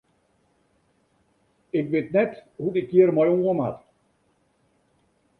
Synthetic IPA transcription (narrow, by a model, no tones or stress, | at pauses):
ɪkʋetnɛthudikːiərmɔjɔŋɡɔmha̰t